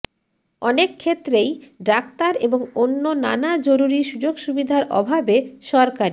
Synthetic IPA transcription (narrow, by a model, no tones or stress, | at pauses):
ɔnekʰːet̪ːɾejɖakt̪aɾeboŋonːona̰nad͡ʑoɾuɾiʃud͡ʑoɡʃubid̪ʱaɾɔ̰bʱabeʃɔɾkaɾi